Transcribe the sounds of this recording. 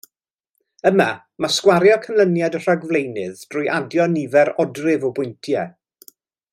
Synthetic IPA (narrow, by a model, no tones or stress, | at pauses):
əma | maskwaɾjɔkʰəmlˠənjadər̥aɡvlejnɨðd̥rʊjʔadjɔnivɛɾɔdrɪvɔbʊjntʰjɛ